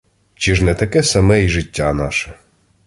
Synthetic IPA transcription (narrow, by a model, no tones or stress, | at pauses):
t͡ʃiʒnɛt̪ɐkɛsɐmɛjʒɪtʲːanɑʃɛ